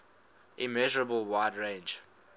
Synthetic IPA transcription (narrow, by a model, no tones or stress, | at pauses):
ʔimɛʒəɹəbəlˠwaɪdɹẽnd͡ʒ